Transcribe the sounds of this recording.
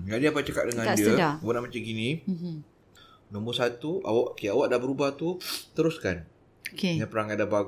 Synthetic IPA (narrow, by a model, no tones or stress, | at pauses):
ɡadiapat͡ʃaka̰ʔ̪̚dəŋãnndiəawənaʔmat͡ʃaɡinĩ | nɔ̃mbəsat̪ua̰waʔokeawaʔdabəɾubaht̪ut̪əɾuskan | okejapəɾaŋadabaɡ